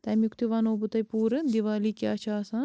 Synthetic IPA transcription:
t̪ɐmjukt̪iʋanoːbut̪ɐjpuːɾɐnd̪iʋaːlikiɐt͡ʃʰaːsa

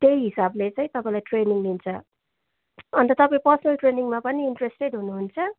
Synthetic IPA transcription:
t̪ejɦisablet͡sʌ̃ĩt̪ʌpãĩlajʈreniŋlint͡sʰʌ | ʌnt̪ʌt̪ʌpãĩpʌrsʌnʌlʈreniŋmapʌniːɳʈresʈeɖɦunuɦunt͡sʰʌ

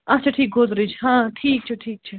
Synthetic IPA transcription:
ɐt͡ʃʰaːʈʰiːk̚ɡʱoːzɾid͡ʒɦãːʈʰiːk̚t͡ʃʰeʈʰiːk̚t͡ʃʰɛ

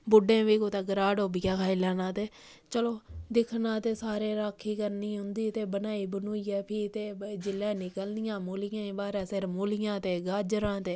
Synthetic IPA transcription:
bʊɖẽːʋiːkoːt̪aːɡəɾaːɖoːbɪjaːkʰaːiːlaːnãːt̪eː | t͡ʃəloːd̪ɪkʰnaːt̪eːsaːɾeːɾaːkʰːiːkəɾniːɦʊ̃nd̪iːt̪eːbənaːiːbənuːiːɛːpʰiːt̪eːd͡ʒɪlːɛ̃ːnɪkəlnɪjãːmoːlɪjãːĩːbaːɾɛ̃ːseɾmoːlɪjãːt̪eːɡaːd͡ʒɾãːt̪eː

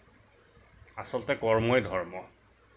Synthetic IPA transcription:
asɔltɛkɔɹmɔjdʱɔɹmɔ

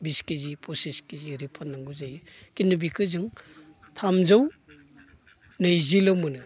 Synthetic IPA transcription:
biskizipʰɔseskiziɾipʰanːaŋɡuzajɯkinɯbikʰɯzɯŋ | tʰamzaw | nɯjzilɔmɯnɯ

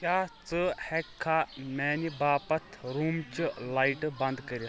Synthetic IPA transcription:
kʲjat͡səhɛkʰːamɛnibaːpɐt̪ʰɾumt͡ɕəlaiʈbɐnd̪kəɾi

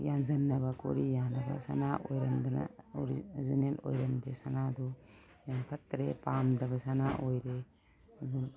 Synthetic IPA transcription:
janzɐnːɐbɐkʰo̰ɾijanɐbɐ̰sa̰naʔojɾɐndɐnɐ̰oɾizinelo̰jɾɐndesanadɔ | jampʰɐtɾepamdɐbɐsanaʔojɾe | bun

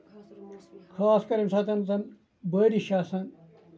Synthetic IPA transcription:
kʰaːskɐɾɐmsat̪ɐnt͡sɐn | bɐːɾiɕaːsɐn

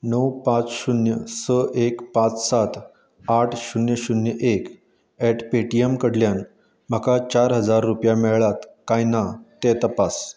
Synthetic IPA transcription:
nəwpãt͡sɕunjəsəʔekpãt͡ssat̪ʰ | aʈʰɕunjəɕunjəʔek | ɛʈpeʈiemkəɽljan | m̤əkat͡ɕaɾɦəd͡zaɾːupjamɛɭɭat̪kajnat̪et̪əpas

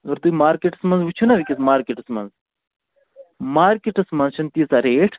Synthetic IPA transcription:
ɡɐɾt̪uimaːɾkeʈɨ̥smɐnzʋut͡ʃʰunɐʋikʲismaːɾkeʈɨsmɐ̰nz | maːɾkeʈɨsmɐnʃʰɐnt̪iːt͡saɾeːʈʰ

